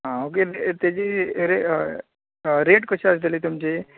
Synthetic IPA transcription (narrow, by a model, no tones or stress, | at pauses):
ɦãok̬edet̪ed͡ʑiɾe | ɾeʈkəɕasd̪ʱelit̪umt͡ɕe